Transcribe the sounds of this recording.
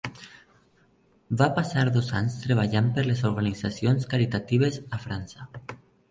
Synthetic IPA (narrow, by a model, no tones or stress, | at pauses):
bapasaɾðozaɲst̪ɾeβ̞aʎampeɾlezoɾɣanizasionskaɾit̪at̪iβ̞ezafɾansa